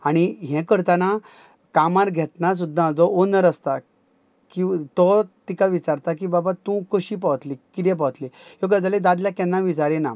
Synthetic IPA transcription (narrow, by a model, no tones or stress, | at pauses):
aɽ̃iɦɛ̃kəɾt̪ana | kamaɾɡʱɛt̪nas̬ud̪ʱːãd͡zɔonəɾəst̪a | kĩt̪ɔt̪ikaʋit͡ɕaɾt̪ak̬ibabat̪ũkəɕipaʋət̪likiɾjɛp̬aʋət̪lijok̬ad͡zaled̪ad̪ljakɛ̃nːaʋid͡zaɾɛna̰